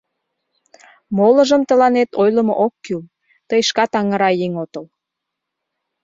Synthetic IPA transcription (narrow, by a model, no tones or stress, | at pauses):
molə̆ʒəmt̪əlɑnet̪ojləmo̰ʔokːyl | t̪əjʃkɑt̪ɑŋəɾɑjeŋot̪əl